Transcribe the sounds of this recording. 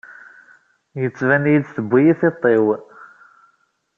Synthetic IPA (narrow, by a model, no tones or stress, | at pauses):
jət͡sːvænjidθəbʷːijiθet̪ˤːew